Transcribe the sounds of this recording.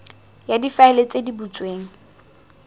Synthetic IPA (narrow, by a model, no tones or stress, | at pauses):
jadifaɪlet͡sʼedibut͡sʼweːŋ̩